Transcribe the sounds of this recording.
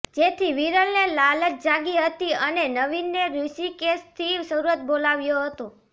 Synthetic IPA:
d͡ʒet̪ʰiʋiɾəlnelalət̪̚d͡ʒaɡiɦət̪iənenəʋinːeɾusikest̪ʰisəɾuət̪̚bolaʋjoɦət̪o

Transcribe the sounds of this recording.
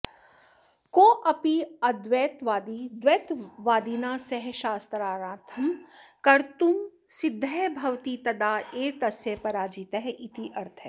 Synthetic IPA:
koːʔɐpiɐd̪ʋeːt̪ʋaːd̪id̪ʋeːt̪ʋaːd̪iːnaːsɐɦʃaːst̪ɾaːɾãːt̪ʰɐmkɐɾt̪um | sɪd̪ʱːɐbʱɐwt̪it̪ɐd̪aːeːt̪ɐsjepɐɾaːd͡ʒiːt̪ɐɦɛʔit̪iʔɐɾt̪ʰɛ

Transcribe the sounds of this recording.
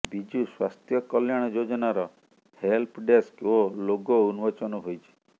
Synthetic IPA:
bid͡ʒuswast̪ʰjɔkɔljaɽ̃ɔd͡ʒod͡ʒɔnaɾɔ | helpʰɖeskoloɡɔunuwɔt͡ʃɔnɔɦojt͡ʃʰi̥

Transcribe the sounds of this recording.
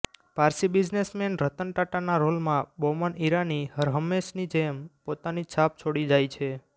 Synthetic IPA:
paɾsibid͡ʒnesmenɾət̪əɳʈaʈanaɾolmãbɔməniɾanihəɾɦəmːeʃnid͡ʒempot̪anit͡ʃʰap̚t͡ʃʰoɽid͡ʒajt͡ʃʰe

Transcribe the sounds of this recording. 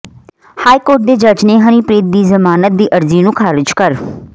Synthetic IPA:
haːiːkoːɾʈ̚d̪eːd͡ʒəd͡ʒneːɦəniːpɾeːt̪̚d̪iːzəmaːnət̪̚d̪iːʔəɾziːnũːkʰaːɾɪd͡ʒkəɾ

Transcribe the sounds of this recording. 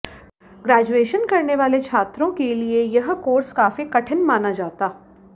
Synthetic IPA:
ɡɾɛːd͡ʒueːʃənkɐɾneʋaːlet͡ʃʰaːt̪ɾõkeliejɐɦkoːɾskaːfikɐʈʰənmaːnad͡ʒaːt̪aː

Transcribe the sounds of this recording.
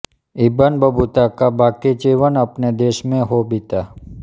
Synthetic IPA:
ibənbəbʱut̪akabakid͡ʒiʋənəpned̪eʃmẽɦobit̪a

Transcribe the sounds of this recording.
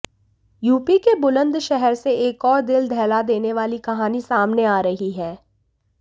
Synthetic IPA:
juːpikebʊlə̃nd̪ʃɛɦɛɾseeːkɔːɾd̪ɪld̪ʱɛːlad̪eːneʋaːlikɐɦaːnisaːmneaːɾɐɦiɦɛː

